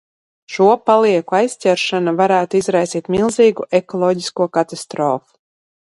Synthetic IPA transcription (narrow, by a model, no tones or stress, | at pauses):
ʃuɔpalˠiɛkuajsʲtʲɛɾʃanavaɾæːt̪uizɾajsiːt̪mʲilˠziːɡuʔekɔlˠɔːɟiskuɔkat̪ast̪ɾoːfu̥